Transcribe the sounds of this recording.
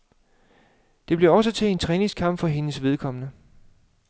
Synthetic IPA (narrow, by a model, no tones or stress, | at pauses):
d̥e̝b̥liɐɒ̽s̬ət͡sʰe̝e̝nt͡sʰʁɛːneŋskʰɑ̈m̰b̥fɒ̽ɦe̝nəsʋe̝ð̞ˠkʰɒ̽mənə